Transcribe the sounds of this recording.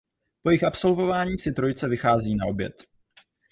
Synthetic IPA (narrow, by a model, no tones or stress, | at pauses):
po̞jɪxʔapso̞lvo̞vaːɲiːsɪt̪ɾo̞jt͡sɛvɪxaːziːnaʔo̞bjɛ̰t̪